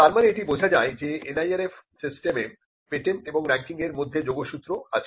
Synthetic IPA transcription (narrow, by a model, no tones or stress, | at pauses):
t̪aɾmaneeʈibod͡ʑʱad͡ʑaed͡ʑeenajaɾefsisʈeme | peʈeɳʈeboŋɾɛŋkiŋeɾmod̪ʱːed͡ʑoɡoʃut̪ːɾoat͡ɕʰe